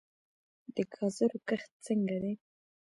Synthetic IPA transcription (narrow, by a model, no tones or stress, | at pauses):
d̪əɡʰɑzəɾokəxt̪̚t͡səŋɡad̪e